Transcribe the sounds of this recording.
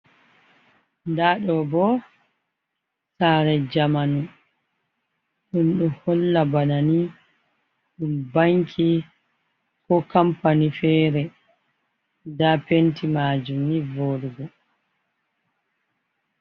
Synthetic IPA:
ndaɗɔbɔ | saːɾɛd͡ʒamanu | ɗunɗɔhɔlːabanani | ɗumbaŋkʰi | kɔkampanifɛɾɛ | dapentʰimaːd͡ʒumnivoɗuɡɔ

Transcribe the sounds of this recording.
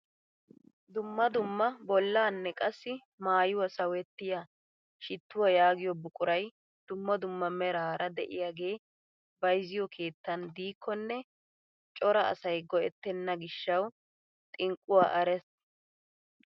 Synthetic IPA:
d̪ʊmːɐd̪ʊmːɐbɔlːaːnːɛkʼɐsːɪ | maːjʊwɐsɐwɛt̪ːɪja | ʃɪt̪ːʊwɐjaːɡɪjɔbʊkʼʊɾɐj | d̪̥ʊmːɐd̪ʊmːɐmɛɾaːɾɐd̪ɛʔɪjaːɡe̞ː | bɐjzɪjɔkʰe̞ːt̪ːɐnd̪iːkʰːɔnːɛ | t͡ʃʼɔɾɐɐ̰sɐjɡɔʔɛt̪ːɛnːɐɡɪʃːɐw | t̪ʼɪŋkʼːʊwa̰ːʔɐɾɛs

